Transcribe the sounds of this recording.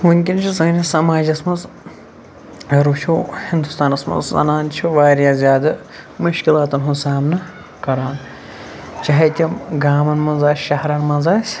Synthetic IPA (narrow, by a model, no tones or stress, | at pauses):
muŋʲkʲint͡ʃʰusɐːnʲɐsɐmaːd͡ʒɐsmɐz | ɾuʃʰuhind̪ust̪aːnɐsmɐ̰zzɐ̰naːnt͡ʃʰuʋaːɾjaːzʲjaːd̪ɐ | muʃkʲilaːt̪ɐnɦunsaːmnɐ | kɐɾaːn | t͡ʃɐɦɐt̪ʲiɡaːmɐnmɐnzaːsʲʃɐɦɾɐnmɐnzaːsʲ